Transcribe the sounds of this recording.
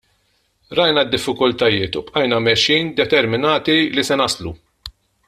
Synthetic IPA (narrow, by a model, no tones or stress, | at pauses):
ɾɐjnɐd̪ːɪfːɪkʊlt̪ɐjɪːt̪upʔɐjnɐmɛʃːiːnd̪ɛt̪ɛɾmɪnɐːt̪ilisɛnɐslṵ